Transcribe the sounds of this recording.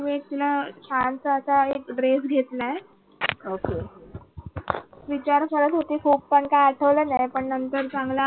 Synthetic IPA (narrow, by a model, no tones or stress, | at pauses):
ʋet̪lət͡ɕʰansəsaekɖɾesɡʱet̪ləe | oke | ʋit͡ɕaɾfəɾət̪ɦot̪iːkʰuːppəɳkaaʈʰəʋlənajpəɳnənt̪əɾt͡sãŋɡla